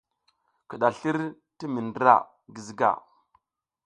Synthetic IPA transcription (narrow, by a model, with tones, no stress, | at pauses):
ki˨ɗa˨ɬi˦ɾ | ti˦mi˨ndɾa̰˦˨ | ɡi˨zi˦ɡa̰˨